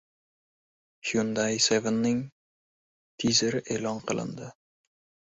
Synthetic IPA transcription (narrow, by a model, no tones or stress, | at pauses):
hjund̪ajsevenːɪŋ | t̪ʰizeɾɪʔeːlɒnqʰɨlˠɪ̰nd̪ɪ